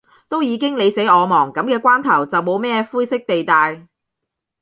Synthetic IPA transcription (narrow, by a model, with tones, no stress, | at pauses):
t̪o˥wjiː˨˧kɪ˥ŋle˨˧jse˨˥jɔː˨˧mɔː˨˩ŋkɐ˨˥mkɛː˧kʷaː˥nt̪ʰɐ˨˩wt͡sɐ˨wmo˨˧wmɛː˥fuː˥jsɪ˥k̚t̪e˨jt̪aː˨˧j